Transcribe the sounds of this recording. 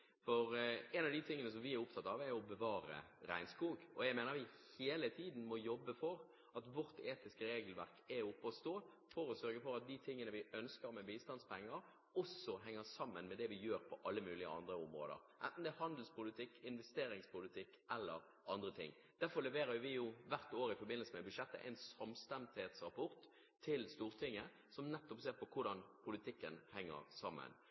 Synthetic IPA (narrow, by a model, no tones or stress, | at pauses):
fɔɾɛnɑʋd̪ɪt̪ʰɪŋːənəsɔmʋɪɛɾʊp̚t̪ʰɑt̪ːɑʋɛɾʊɔbəʋɑːɾə̰ɾæ̰ɪnskuːɡɔjæɡmeːnəɾʋɪheːlət̪ʰiːd̪n̩mɔjɔbːəfɔɾ | ɑt̪ʋɔɾt̪ʰeːt̪ɪskəɾeːɡl̩ʋæɾkɛʊpːɔst̪oː | fɔɾɔsœɾɡəfɔɾɑt̪̚d̪it̪ʰɪŋːənəʋɪœnskəɾmɛbiːst̪ɑnspʰɛŋːəɾ | ɔsɔɦɛŋːəɾsɑmːə̰nmɛd̪ɛʋɪjøːɾpʰɔʔɑlːəmʉːlɪə̰ɑ̰nd̪ɾəʊmɾo̰ːd̪ə̰ɾʔɛ̰nt̪n̩d̪ɛhɑnd̪l̩spʊlɪt̪ʰɪkːɪnʋɛst̪eːɾɪŋspʰʊlɪt̪ʰɪkː | ɛlːəɾ | ʔɑnd̪ʁət̪ʰɪ̰ŋː | d̪̥æɾfɔɾlɛʋeːɾəɾjʊʋɪjʊʋæɾt̪oːɾɪfɔɾbɪnːəlsəmɛbʉʂɛt̪ːə̰ʔɛ̰ɪnsɑmst̪ɛmt̪et̪sɾɑpɔɾt̪ʰː | ɪlst̪uːɾt̪ʰɪŋːə | sɔmnɛt̪ːɔpseːɾpɔkʰʊɾɖɑnpʰʊlɪt̪ʰɪkːə̰nhɛŋːə̰ɾsɑmːə̰n